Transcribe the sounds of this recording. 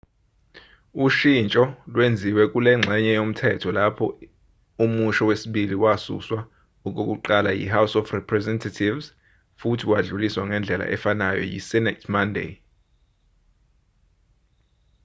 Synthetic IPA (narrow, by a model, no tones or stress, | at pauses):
uʃint͡ʃʼɔlwend͡zʱiwɛk̬ʼulɛŋ͡ǁʱɛɲɛjom̩tʰɛtʰɔlapʰɔ̰ | umuʃɔwesiɓiliwasṵswa | uk̬ʼuk̬ʼuǃalajḭhawsɔfrɛpʰrɛzɛntʰatʰivz | futʰiwaɮuliswaŋɛnd͡ɮʱɛla̰ʔɛfanajɔ̰jḭsɛnɛtʰmandʱḛ